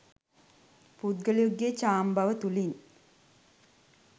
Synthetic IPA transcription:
pud̪ɡəlijuɡːet͡ʃaːmbaʋət̪uliŋ

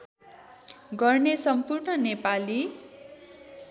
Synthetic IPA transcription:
ɡʌrnesʌmpurɳʌnepali

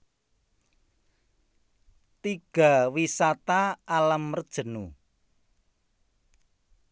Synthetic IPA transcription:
t̪iɡ̥a̤wisat̪aalamərd̥ʒ̥ə̤nu

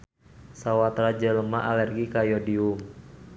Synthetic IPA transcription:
sawat̪ɾad͡ʒələmaʔalɛrɡikajɔdium

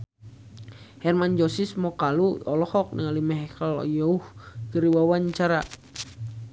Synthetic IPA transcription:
hɛrmand͡ʒɔsismɔkaluɔlɔhɔk̚nəŋalimɛɦɛkalɔ̰jɔuhkəɾiwawaɲt͡ʃaɾa

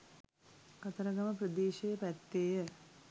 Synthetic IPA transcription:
kɐt̪ɐɾɐɡɐmɐpɾɐd̪eːʃɐjɐpɐt̪ːeːjɐ

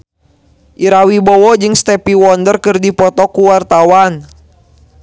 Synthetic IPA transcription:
ʔiɾawibɔwɔd͡ʒɨŋst̪ɛpiwɔndərkɨrdipɔt̪ɔkuwart̪awan

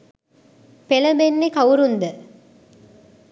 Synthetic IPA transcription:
pelɐbenːekɐwɾund̪ə

